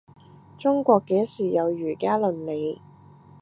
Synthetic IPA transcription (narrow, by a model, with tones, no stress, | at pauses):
t͡sʊ˥ŋkʷɔː˧kːeː˨˥siː˨˩jɐ˨˧wjyː˨˩kaː˥lɵ˨˧nle˨˧j